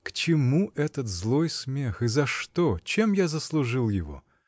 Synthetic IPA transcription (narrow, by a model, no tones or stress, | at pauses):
kt͡ɕɪmuʔɛt̪ət̪zlˠojsmʲexɨzɐʂt̪ot͡ɕemjazəslˠʊʐɨlˠjɪvo̰